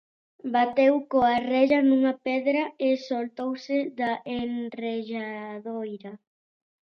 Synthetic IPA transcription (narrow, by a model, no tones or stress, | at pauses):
bat̪ewkoarɛʎɐnuŋɐpɛðɾɐesolt̪owsɪðaʔenreʎaðojɾɐ